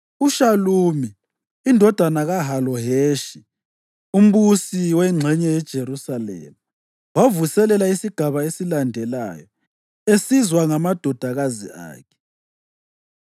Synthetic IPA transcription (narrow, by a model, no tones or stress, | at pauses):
uʃaluːmiː | ndʱɔd̥ʱanaɣaɦalɔɦeːʃi | um̩βusiwɛŋ͡ǁʱɛɲɛjɛd̥ʒ̥ʱeɾusalɛ̰mu | wavusɛlɛlaisiɡ̥ʱaβaesilandʱɛla̰jɔ | esizwaŋamad̥ʱɔd̥ʱaɣazḭa̰ːkʰɛ̥